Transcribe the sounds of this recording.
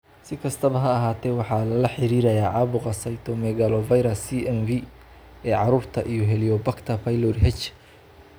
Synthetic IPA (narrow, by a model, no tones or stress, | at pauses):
sɪkʰɐst̪ʰɐβɐɦɐːɦaːt̪ʰɛːwɑħɑːlɐlɐħɪɾiːɾɐjaːʕɑβʊqɐsɐjt̪ʰɔmɛɣalɔvɐjɾɐsiɛnvi | ɛːʕɑɾuːrt̪ʰɐʔijɔɦɛlijɔbɐkt̪ʰɐpʰɐjlɔrɦɛt͡ʃ